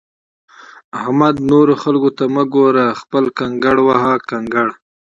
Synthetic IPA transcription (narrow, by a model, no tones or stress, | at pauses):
ahmad̪noɾoxalkot̪aməɡoɾaxpəlkaŋɡaɽwaɦakaŋɡaɽ